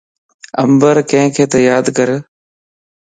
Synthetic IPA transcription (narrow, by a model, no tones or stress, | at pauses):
ə̰mbəɾkə̃ɦɪ̃kʰeːt̪əjaːd̪kəɾ